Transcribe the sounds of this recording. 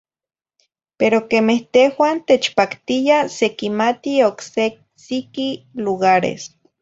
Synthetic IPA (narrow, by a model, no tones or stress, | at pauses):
peɾokemeht̪ehwant̪et͡ʃpakt̪ijasekimat̪iokse | sikiluɣaɾḛs